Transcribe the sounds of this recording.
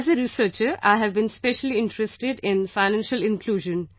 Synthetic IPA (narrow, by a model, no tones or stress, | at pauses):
zəɾisəːt͡ʃəɾa̰ɪɦæʋbĩnspeʃəliɪ̃nʈɾɛsʈɪɖɪ̃nfaɪnæ̃nʃəlɪ̃nkʰluːʒə̃n